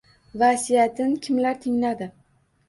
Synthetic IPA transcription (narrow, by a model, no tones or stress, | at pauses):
vasijat̪ʰɪnkʲʰɪmlaɾt̪ʰɪŋlad̪ɪ